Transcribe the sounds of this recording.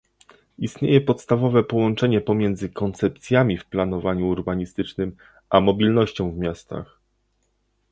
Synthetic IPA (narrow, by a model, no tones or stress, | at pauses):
ist̪ɲejɛpɔt̪st̪avɔvɛpɔwɔnt͡ʂɛɲɛpɔmʲjɛnd̪zɘkɔnt̪sɛp̚t̪sʲjamʲifplanɔvaɲuːɾbaɲist̪ɘt͡ʂnɘm | ʔamɔbʲilnɔɕt͡ɕɔ̃w̃vmʲjast̪a̰x